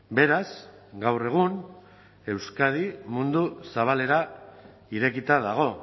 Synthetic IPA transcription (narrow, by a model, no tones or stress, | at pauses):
be̞ɾas | ɡawre̞ɣ̞un | e̞wskað̞imund̪usaβ̞ale̞ɾa | iɾe̞kit̪aðaɣ̞o̞